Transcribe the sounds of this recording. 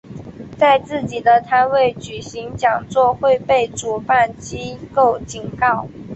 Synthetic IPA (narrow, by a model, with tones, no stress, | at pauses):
t͡sa˥˧ɪt͡sɹ̩˥˩t͡ɕi˨˩d̪ə˦t̪ʰa˥nwe˥˩ɪt͡ɕy˨˩ɕi˧˥ŋt͡ɕjɑ˨˩ŋt͡swɔ˥˧xwe˥˧ɪpe˥˩ɪʈ͡ʂu˨˩pa˥˩nt͡ɕi˥ko˥˩ʊt͡ɕi˨˩nkɑ˥˩ʊ